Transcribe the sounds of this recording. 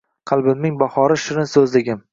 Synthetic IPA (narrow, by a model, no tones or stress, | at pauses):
qʰɑlˠbɪmːɪŋbɑhɒɾɪʃɪɾɪnsɵzlɪɡʲɪm